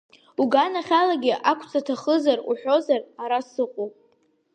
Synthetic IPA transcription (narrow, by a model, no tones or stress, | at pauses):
uɡanaχʲalaɡʲɪʔakʷʰt͡sʰʼatʰaχəzaruħᶣo̞zaraɾasɨqʷʼopʼ